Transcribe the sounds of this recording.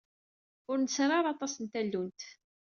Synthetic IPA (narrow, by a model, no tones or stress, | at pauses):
ʊɾnəsɾˤɑɾˤɑt̪ˤɑsənt̪ælːunt̪